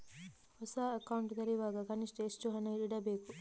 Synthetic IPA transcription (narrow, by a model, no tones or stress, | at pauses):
hɔsaːɐkɐwuɳʈd̪ɐɾiʋaːɡɐkɐniʂʈɐesʈuɦɐnɐiiɽɐbe̞ːku